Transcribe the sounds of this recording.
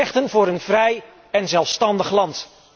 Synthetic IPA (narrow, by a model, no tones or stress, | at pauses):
ɛχtənvʊːɾənv̥rɛj | ɛnzɛlˠfstɑndəχlɑnt